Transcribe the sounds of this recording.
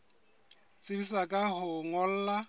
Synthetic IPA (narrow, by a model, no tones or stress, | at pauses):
t͡sʼɪbisakʼaɦʊŋɔl̩ːla